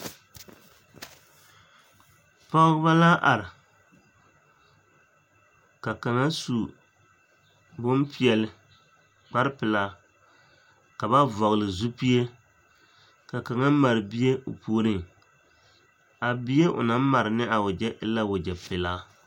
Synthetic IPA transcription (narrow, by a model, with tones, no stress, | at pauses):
pɔ˦ba˦la˦ʔa˨ɾɪ˨ | ka˨ka˨ŋa˦su˨ | bo˦mpi˦ɛ˨lɪ˦ | k͡pa˦ɾɨ˦pɪ˨la˦ | ka˨ba˦vɔ˨ɣlɨ˨zu˦pi˦e˦ | ka˨ka˨ŋa˦ma˨ɾɨ˨bi˦e˦ʔo̰˨puː˨˦ɾɨ˦ŋ | a˨bi˦je˦ʔʊ̰˨na˦m˦ma˨ɾɪ˨nɨ˦ʔa˨wʊ˨d͡ʒɛ˦ʔɪ˦la˦wʊ˨d͡ʒɛ˨pɪ˨la˦